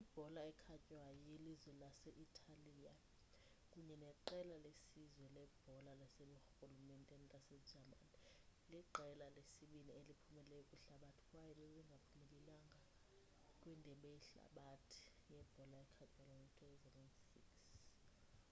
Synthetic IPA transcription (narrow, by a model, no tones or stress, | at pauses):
ib̥ʱɔlaɛkʰacʼwajɔjelizwɛlasɛʔitʰalija | kʼuɲɛnɛǃɛlalesizwɛlɛb̥ʱɔlalaseluxɣulumɛntʼɛntʼasɛd͡ʒʱamaniliǃʱɛlalesiɓinielipʰumɛlɛjɔkʼuɬaɓatʰi̥kʼwajɛɓɛɓɛŋɡʱapʰumɛlilaŋɡʱa | kʼwindʱɛɓɛjiɬa̰ɓatʰi̥jɛb̥ʱɔlaɛkʰacʼwajɔɔŋutʼʰɛɛzɛvɛnsḭks